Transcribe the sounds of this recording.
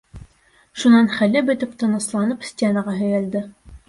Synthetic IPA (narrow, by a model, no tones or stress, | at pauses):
ʃunɑnχælɘbɵ̆t̪ɘpt̪ɤ̆nɤ̆slˠɑnɤpsʲtʲenəʁɑɦɵ̆jæld̪ɘ